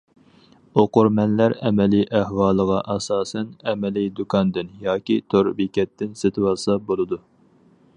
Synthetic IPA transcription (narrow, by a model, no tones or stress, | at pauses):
oqʊɾmɛnlæɾɛmɛliʔæhwɑːlˠəʁɑʔɛsɑːsɛnɛmɛlid̪ukʰɑnd̪ɪnjɑːkʲit̪ʰoɾbikʲɛt̪ːɪnset̪ʰɪwɑlˠsɑbolˠɨd̪u